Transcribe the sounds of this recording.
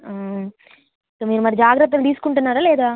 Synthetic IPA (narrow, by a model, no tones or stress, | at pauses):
t̪omiːɾumaːd̪id͡ʒaːɡɾɐt̪̬ːɐlɖiːskɔɳʈːɐnːaːɾɐleːd̪aː